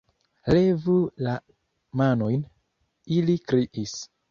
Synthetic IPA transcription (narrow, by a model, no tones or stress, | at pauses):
le̞vula | mano̞jn | ilikɾiʔis